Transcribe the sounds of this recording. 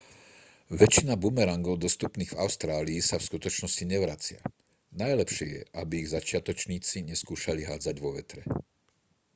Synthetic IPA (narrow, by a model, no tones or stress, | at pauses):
ʋɛt͡ʃinabumɛɾaŋɡɔʊd̪ɔst̪upniːɣvaʊst̪ɾaːliːsafskut̪ɔt͡ʃnɔsciɲɛʋɾat͡sɪa̰ | najlɛpʃɪɛjɛ̰ʔabiːɣzat͡ʃɪat̪ɔt͡ʃɲiːt͡siɲɛskuːʃaliɦaːd͡zaɟʋɔʋɛt̪ɾɛ